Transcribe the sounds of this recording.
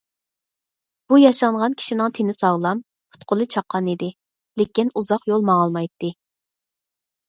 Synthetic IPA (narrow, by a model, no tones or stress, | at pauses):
b̥ujɑʃɑɴʁɑnkʲʰi̥ʃinɪŋt̪ʰenɪsɑʁlˠɑm | pʰʊ̥t̪qʰʊlˠɨt͡ʃʰɑqʰːɑnid̪ɪ | lekʲinuzɑqjolˠmɑɑlˠmɑjt̪ːɨ